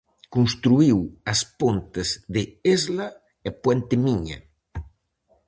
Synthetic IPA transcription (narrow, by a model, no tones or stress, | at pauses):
kuns̬t̪ɾuiwɐspont̪ezðeezlɐ | epwɛnt̪ɪmiɲɐ̰